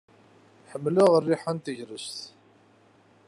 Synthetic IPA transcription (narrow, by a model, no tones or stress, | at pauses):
ħəmːliʁərːiħant̪əʝɾəst̪